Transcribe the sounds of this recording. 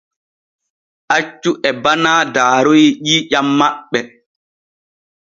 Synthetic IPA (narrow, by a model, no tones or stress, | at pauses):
ʔat͡ʃːuʔɛbanaːdaːɾojiʄiːʄamːaɓːɛ